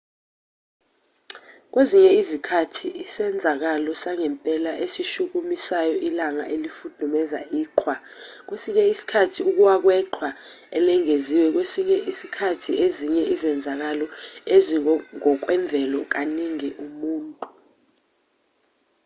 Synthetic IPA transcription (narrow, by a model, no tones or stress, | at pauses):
k̬weziɲɛizikʰatʰiːsɛnd͡zʱak̬alɔsaŋɛmpʼɛlaʔesiʃuk̬umisajɔʔilaŋa̰ʔelifud̥ʱumɛza̰ʔiːǃʰwak̬wesiɲɛisi̥kʰatʰiuk̬uwak̬wɛǃʰwa | ɛlɛŋeziwɛk̬wesiɲɛʔisi̥kʰatʰiʔeziɲɛʔizɛnd͡zʱak̬alɔeziŋɔk̬wɛɱb̪vʱɛlɔk̬aniŋɛʔumuːntʼu̥